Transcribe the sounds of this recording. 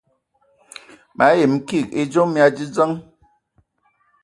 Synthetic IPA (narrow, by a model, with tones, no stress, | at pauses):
mʔa˨˦e˨m̩˦ki˦˨ki˦d͡ʒo˦mja˦d͡ʒi˦d͡zə˦ŋ